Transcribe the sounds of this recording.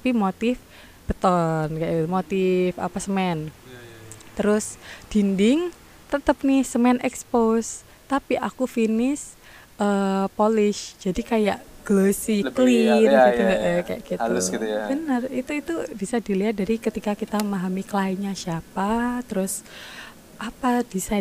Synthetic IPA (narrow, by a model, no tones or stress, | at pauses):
apimot̪ɪf | b̥ət̪ɔnkajʔiumot̪ɪfa̰pasəmɛn | t̪əɾʊsd̥indɪŋ | t̪ət̪əp̚nɪhsəmɛnʔɛkspos | t̪apiʔakufinɪs | əpolɪʃd͡ʒadikajaʔɡ̥losiklinɡit̪uŋɡaʔkaja̰ʔɡ̥it̪ubənərit̪uit̪ubisadiliɦat̪̚daɾikət̪ikakit̪aəmaɦamikəlaiɲasiapat̪əɾʊs | ʔapadisa